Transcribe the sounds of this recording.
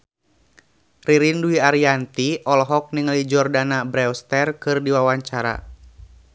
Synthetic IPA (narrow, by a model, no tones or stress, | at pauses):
riɾinduiaɾiant̪iʔɔlɔɦɔk̚niŋəlid͡ʒɔrdanabɾɛwst̪ɛrkɨrdiwawaɲt͡ʃaɾa̰